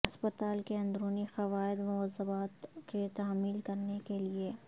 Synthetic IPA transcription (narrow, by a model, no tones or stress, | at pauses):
ɐspət̪aːlkeɐ̃nd̪ɾuːnixɐʋaːɪd̪mʊɐzːəbaːt̪ket̪aːmiːlkɐɾnekelie